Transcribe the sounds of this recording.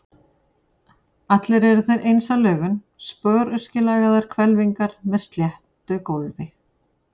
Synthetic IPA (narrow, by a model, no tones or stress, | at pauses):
at̪lɛɾɛɾʏθœɥɾʔejnsalœːɣʏn | spœːɾʏscɪlaːɣaðaɾ̥kʰvɛlviŋkaɾ̥mɛð̥st̪ljɛht̪ʏkowlvɪ